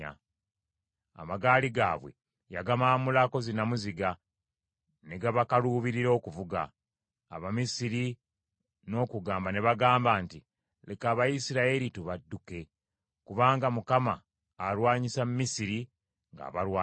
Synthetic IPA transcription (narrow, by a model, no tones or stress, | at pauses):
a̰ | a̰maɡaːliɡa̰ːβwe̞̰ | ja̰ɡamamulako̞zinamuziɡa | ne̞ɡaβakaluːβiɾiɾo̞ːkuvuɡa̰ː | βamisiɾi | no̞ːkuɡaːmbane̞βaɡaːmbaːnti | lekaːβajisiɾaeɾituβadːuke̞ | kuβaːŋɡamukamaː | lwaːɲisamumisiɾi | ŋɡa̰βaɾwaː